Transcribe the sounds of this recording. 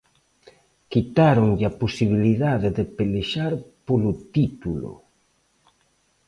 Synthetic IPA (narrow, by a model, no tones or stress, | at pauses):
kit̪aɾoŋʎaposiβ̞iliðaðeðepeleʃaɾpolut̪it̪ulo̰